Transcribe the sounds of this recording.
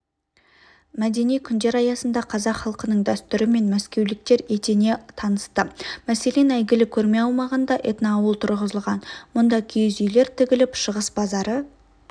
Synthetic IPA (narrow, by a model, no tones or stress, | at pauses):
mæd̪e̞nijkʲʰʏnd̪e̞ɾɑjɑsənd̪ɑqʰɑzɑqχɑlˠqənəɴd̪æst̪ʏɾɪme̞nmæskʲe̞wlɪk̚t̪e̞ɾe̞t̪e̞ne̞t̪ʰɑnəst̪əmæse̞le̞næjɡʲɪlɪkʲʰɵɾme̞ɑwmɑʁənd̪ɑʔet̪nɑːwəlˠt̪ʰʊɾʁəzəlˠʁɑnmʊnd̪ɑkʲʰijzʏjle̞ɾt̪ʰɪɡʲɪlɪpʃəʁəsbɑzɑɾə